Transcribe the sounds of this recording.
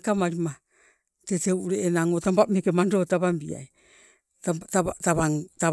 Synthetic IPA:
kamaɾima | teteuʔɾeʔenaŋotambamekemando̞taβambḭa̰j | taβaŋta

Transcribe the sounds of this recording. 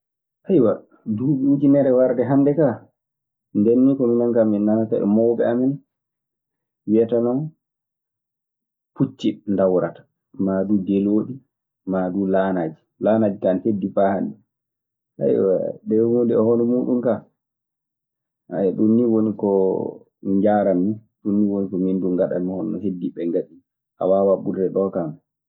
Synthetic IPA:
ʔajwa | duːbit͡ʃinɛɾɛwaɾdɛɦandɛka | ndɛnːikɔminankaminːanata̰ɛ̰mɔwbɛamɛn | wiatanɔn | put͡ʃːindawɾatḁ | maɗudeloːɗi | maɗulaːnad͡ʒi | laːnad͡ʒikansedːifahandi | sa̰jɗɛhundɛɔhɔnɔmuɗumka | a̰jɛɗunːiwonikɔ | ɲd͡ʒaːɾanːiɗunːiwonikɔminduŋɡaɗa̰mihɔnɔ̰hedːiɓɛŋɡaɗi | ʔa̰wawaɓuɾdɛɗɔkam

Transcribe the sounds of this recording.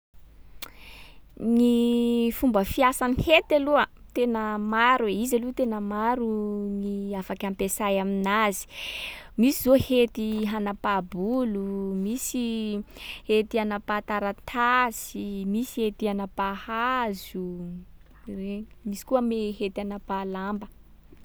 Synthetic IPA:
nifumbəfiasanihet̪aluət̪enəmaɾweizalut̪enəmaɾuniafakampesajaminazi̥misizohet̪iɦanapabulumisi | het̪ianapat̪aɾat̪ʰasimisi̥het̪ianapahazu | remisi̥kuəmeɦet̪anapalambə

